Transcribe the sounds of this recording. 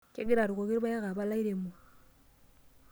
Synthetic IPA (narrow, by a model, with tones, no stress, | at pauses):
ke˦ɡi˦ɾa˨ɾu˨ko˨ki˦ɾba˦ja˦ka˨ba˦la˦i˦ɾe˨mu˨